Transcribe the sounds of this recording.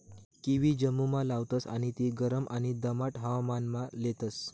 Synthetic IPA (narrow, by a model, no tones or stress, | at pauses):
kiʋid͡ʑəmːumalaʋt̪əsa̰ɽ̃it̪iɡəɾəmʔaɽ̃id̪əmaʈɦaʋamanmalet̪əs